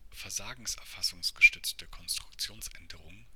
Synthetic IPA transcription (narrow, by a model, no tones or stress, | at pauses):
fɛɐzaːɡŋ̩sʔɛɐfasʊŋsɡ̥əʃtʏt͡stəkʰɔnstʁ̥ʊkt͡sjoːnsʔɛndəʁʊŋ